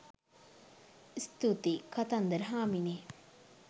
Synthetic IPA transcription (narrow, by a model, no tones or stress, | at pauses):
st̪ut̪ikɐt̪ɐnd̪əɾɦaːmini